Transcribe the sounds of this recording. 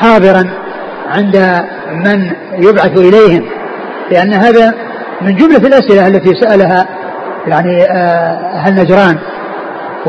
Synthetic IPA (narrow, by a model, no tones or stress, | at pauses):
ħɑːðˤɨɾˤɑn | ʕɪnd̪a | man | jʊbʕaθʔɪlejhɪm | lɪʔanːɦaːða | mɪnd͡ʒʊmlaɪlʔasʔɪlaʔalːat̪isaʔalaɦa | jaʕni | ɦanːad͡ʒɾˤɑːn